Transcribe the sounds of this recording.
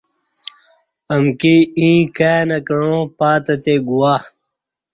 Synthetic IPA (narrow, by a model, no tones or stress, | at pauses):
ɐmkiĩːkaːnɐkɐɻõpaːt̪ɐt̪eɡuwaː